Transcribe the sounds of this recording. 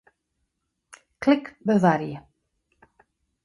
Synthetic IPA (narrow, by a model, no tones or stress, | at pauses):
kʰlɪkbœðaɾjɪ